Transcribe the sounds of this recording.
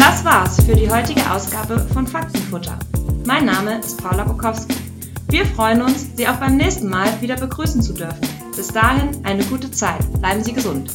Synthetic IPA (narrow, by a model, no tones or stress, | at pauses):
d̥asv̥aːɐsfyːɐdiːɦɔʏtɪɡəʔa̰ʊsɡ̥aːbəfɔnfak̚sn̩fʊtʰɐ̰maɪnːaːməʔɪstpʰaʊlabʊkʰɔfski̥ | viːɐfʁ̥ɔʏənʊnsz̥iːaʊxb̥aɪmnɛːçstn̩maːlviːdɐbəɡʁyːsn̩t͡sudʏɐfn̩ | b̥ɪsd̥aːhɪnʔaɪnəɡuːtət͡saɪtb̥laɪbm̩ziːɡəzʊnt